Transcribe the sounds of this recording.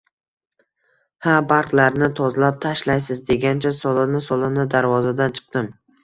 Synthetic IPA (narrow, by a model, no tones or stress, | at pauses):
habaɾqlaɾnɪt̪ʰɒzlap̚t̪ʰaʃlajsɪzd̪e̞ɡʲant͡ʃʰasɒlˠɪnɪsɒlˠɪnɪd̪aɾvɒzad̪ant͡ʃʰɨ̥q̚d̪ɪm